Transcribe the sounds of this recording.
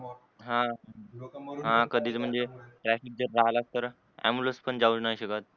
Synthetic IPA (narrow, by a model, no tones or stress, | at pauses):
ɦã | ɦãkəd̪ʱiːt͡sm̤əɳd͡zeʈɾæfik̚d͡zəɾːaɦlaɡ̚t̪əɾ | æ̰muləspəɳd͡zaud͡ʑnajɕəkat̪̚